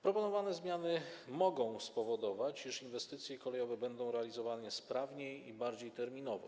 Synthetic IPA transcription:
pɾɔpɔnɔvanɛzmʲjanɘmɔɡɔ̃w̃spɔvɔd̪ɔvat͡ɕiʂinvɛst̪ɘt̪sʲjɛkɔlɛjɔvɛbɛnd̪ɔ̃w̃ɾɛalʲizɔvanɛspɾavɲejibaɾd͡ʑejt̪ɛɾmʲinɔvɛ̰

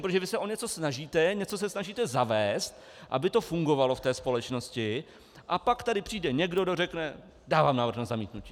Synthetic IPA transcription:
pɾot̪ʒɛvɪsɛʔo̞ɲɛt͡so̞snaʒiːt̪ɛɲɛt͡so̞s̬ɛsnaʒiːt̪ɛzavɛːst̪ | ʔa̰bɪt̪o̞fuŋɡo̞valo̞ft̪ɛːspo̞lɛt͡ʃno̞scɪ | ʔapakt̪adɪpr̝̥iːdɛɲɛɡdodo̞rɛknɛ | daːvaːmnaːvɾr̩xnazamiːt̪nuciː

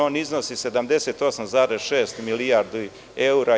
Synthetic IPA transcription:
oːniznosise̞d̪amd̪e̞set̪o̞samzaːɾezʃe̞ːst̪milijaɾd̪u | euɾa

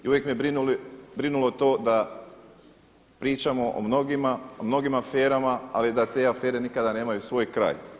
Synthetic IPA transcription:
iuʋjekmijebɾinulibɾinulo̞t̪o̞ːd̪a | pɾiːt͡ʃamo̞ʔo̰mno̞ɡimaomno̞ɡimafe̞ːɾamaa̰lid̪at̪e̞ːafe̞ːɾe̞nikad̪ane̞ːmajusʋo̞ːjkɾa̰ːj

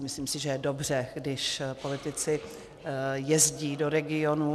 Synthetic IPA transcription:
mɪsliːmsɪʒɛjɛdo̞br̝ɛɡdɪʃpo̞lɪt̪ɪt͡sɪ | jɛzɟiːdo̞ɾɛɡɪo̞nu

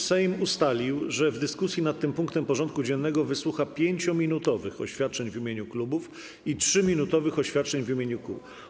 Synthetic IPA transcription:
sɛjmust̪alʲiwʐɛvd̪ɘskusʲjinat̪ːɘmpuŋkt̪ɛmpɔʐɔnt̪̚kud͡ʑɛnːɛɡɔvɘswuxapʲjeɲt͡ɕɔmʲinut̪ɔvɘxɔ̰ɕfʲjat̪̚t͡ʂɛɲvimʲjeɲuklubuf | itʂɘmʲinut̪ɔvɘxɔɕfʲjat̪̚t͡ʂɛɲvimʲeɲukṵ

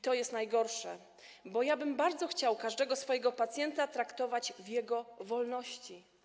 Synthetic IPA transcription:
t̪ɔjɛst̪najɡɔɾʂɛ | bɔjabɘmbaɾd̪zɔxt͡ɕawkaʐd̪ɛɡɔsfɔjɛɡɔpat̪sʲjɛnt̪at̪ɾakt̪ɔvad͡ʑvjɛɡɔvɔlnɔɕt͡ɕi

